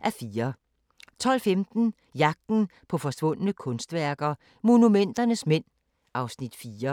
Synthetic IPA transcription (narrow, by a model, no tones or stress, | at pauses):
ʔæɐfiːɐ | t͡sʰɒ̽l̰femd̥n̩ | jɑ̈ɡ̥̚d̥n̩pʰɒ̽fɒ̽sʋɔ̽n̰ənəkʰɔ̽nsd̥ʋæɐɡ̥ɐ | mo̝numen̰d̥ɐnəsmen̰ | ɑ̈ʊsnid̥fiːɐ